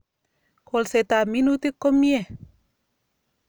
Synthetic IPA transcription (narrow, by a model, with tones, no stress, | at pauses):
ko˨lse˨t̪a˨mi˦nu˦t̪e˦kːo˦mie˦˨